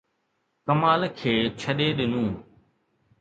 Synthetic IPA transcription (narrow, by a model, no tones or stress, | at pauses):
kəmaːlkʰeːt͡ʃʰəɗeːɗɪnũː